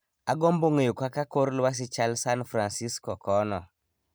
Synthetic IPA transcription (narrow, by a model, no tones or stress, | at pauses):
aɡomboŋejokwakakoɾlwas̬it͡ʃalsanfɾansiskɔkɔnɔ